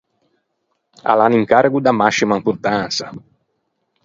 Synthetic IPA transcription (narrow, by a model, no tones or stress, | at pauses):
a̰laniŋkaɾɡud̪amasimaimpuɾt̪ansa